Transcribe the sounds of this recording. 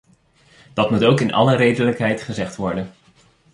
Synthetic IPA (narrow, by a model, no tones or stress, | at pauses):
d̥ɑtmutowkɪnɑ̰lərejdələkɦɛjtχəzɛχtʋɔɹdən